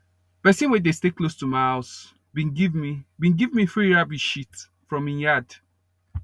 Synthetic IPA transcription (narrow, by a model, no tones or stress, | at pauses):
pɛsĩnwɛdesteklostumaɪhaʊs | bĩnɡivmibĩnɡivmiθɹiɹabiʃit | fɹɔ̃mĩnjad̥